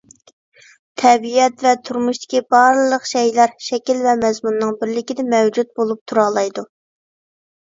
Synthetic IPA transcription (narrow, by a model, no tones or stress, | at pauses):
t̪ʰɛbiɛt̪vɛt̪ʰuɾmuʃt̪ɪ̥kʲibɑɾlˠəqʃɛjlæɾʃɛkʲilvɛmɛzmunːɨŋbɪɾlɪkʲid̪ɪmɛwd͡ʒut̪̚bolˠup̚t̪ʰuɾɑːlˠɑjd̪u